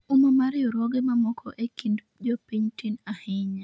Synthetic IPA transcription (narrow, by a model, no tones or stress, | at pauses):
umɔmaɾjɔɾɔɡemamɔkʰɔʔekind | d͡ʒɔpiɲtinahɪɲa